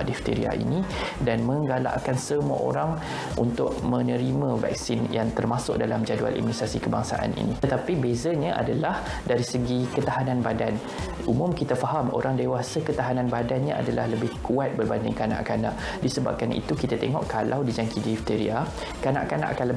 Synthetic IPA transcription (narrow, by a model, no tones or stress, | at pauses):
dift̪ḛɾḭa̰ḭnĩdanmə̃ŋɡala̰ʔkansəmua̰ʔo̰ɾaŋ | ṵnt̪ʊʔ̚mə̃nəɾimãvɛ̰k̚sinjaŋt̪ərmasʊk̚dalamd͡ʒadua̰lʔḭminisɾasikəbaŋsa̰ʔa̰nḭnḭ̃t̪ət̪apibezaɲãʔa̰dalah | daɾisəɡikət̪aɦanãnbadan | ʔumʊ̃mkit̪afaɦamʔo̰ɾaŋdewasakət̪aɦanãnbadanɲã̰ʔa̰dalahləbɪhkuat̪̚bərbandɪ̰ŋkana̰ʔkana̰ʔ | disəba̰p̚kanʔḭt̪ukit̪at̪eŋɔʔkalʔawdid͡ʒaŋkidiift̪eɾḭa | kana̰ʔkana̰ʔakanlə